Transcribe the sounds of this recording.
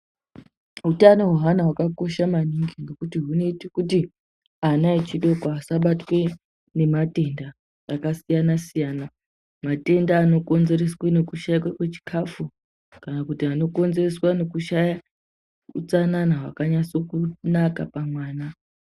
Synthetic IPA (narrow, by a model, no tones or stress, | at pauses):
ɦutano̞ɦoɦanawakako̞ʃamaniŋɡiŋɡe̞kutiɦune̞itikuti | anaet͡ʃiɗo̞kaasaɓatwe̞ | ne̞mate̞ndaː | kasijanasijaːna | mate̞ndaːno̞ko̞nze̞re̞swene̞kuʃaikwakwet͡ʃi̥kʰafu | kanakutiano̞ko̞nzereswane̞kuʃaja | ut͡sananaɦwakaɲaso̞kunakapamwaːna